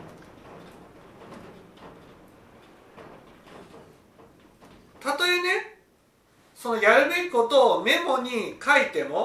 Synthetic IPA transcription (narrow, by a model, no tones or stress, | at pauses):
t̪at̪o̞ene̞ | so̞no̞jaɾɯ̟beɾiko̞t̪oːme̞mo̞ɲ̟ikʰait̪e̞mo̞